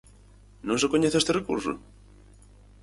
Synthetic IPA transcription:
nõŋs̬ekoɲeθest̪erekṵɾsʊ̰

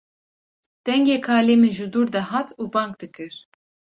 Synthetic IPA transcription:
d̪̥ɛŋɡeːkʰaːleːmɨʒud̪uɾd̪ɛɦat̪ʰuːbɑŋk̚d̪ɨkʰɨɾ

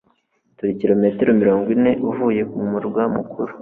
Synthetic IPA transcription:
tuɾiciɾo̞me̞teɾomiɾo̞ːŋɡwine̞ʔuvuːje̞kumuɾɡwamukʰuɾu

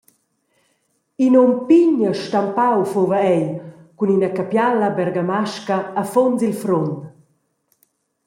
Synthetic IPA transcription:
inɔmpiɲəʃtampawfovaɛjkuninakapjalabɛɾɡamaʃkaːfonzilfɾont

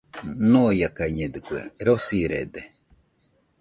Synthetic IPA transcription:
nuːjakaɲɛd̪ɨkuḛɾosiɾḛd̪ɛ

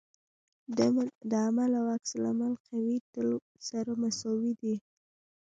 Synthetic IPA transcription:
d̪əamalawaksɪla̰malqawit̪əl | saɾamasowid̪i

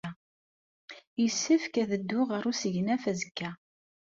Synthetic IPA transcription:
jəsːəfkæðəd̪ːʊʁəɾusəʝnæfæzəkːæ

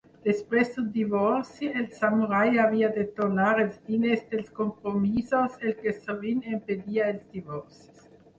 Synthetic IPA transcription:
d̪̥espɾesdud̪ivoɾsielsamuɾajaviad̪et̪onaɾelsbilesd̪elskompɾomisoselkesovinemped̪iaelsd̪ivoɾsis

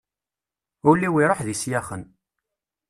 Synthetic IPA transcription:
ʊɾlːiwiɾˤoħðisjæχən

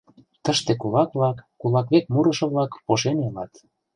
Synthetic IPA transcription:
t̪əʃt̪ekulɑkβlɑkːulɑkβek̚muɾɤ̆ʃɤ̆βlɑkpoʃenelɑt̪

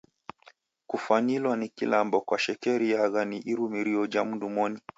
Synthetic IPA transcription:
kufaɲilwanikilambɔkwaʃɛkɛɾijaɣaniʔiɾumiɾiɔd͡ʒamudumɔni

